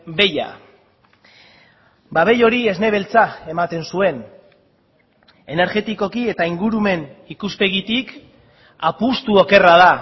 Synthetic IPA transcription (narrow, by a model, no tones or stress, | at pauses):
be̞ja̰ | baβe̞jo̞ɾie̞zne̞β̞e̞lt͡sae̞mat̪e̞nsue̞n | e̞ne̞ɾxe̞t̪iko̞kie̞t̪aiŋɡuɾume̞nikuspe̞ɣ̞it̪ik | apust̪uo̞ke̞raða